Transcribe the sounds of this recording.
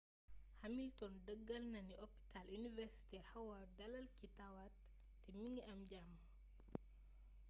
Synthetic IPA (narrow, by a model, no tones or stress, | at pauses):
hɐmiltɔndəɡːɐlnɐniʔopi̥talinivɛɾsi̥tɛrhɐwɐrdɐlɐlkitɐwat | tɛmiŋɡɛɐmɟam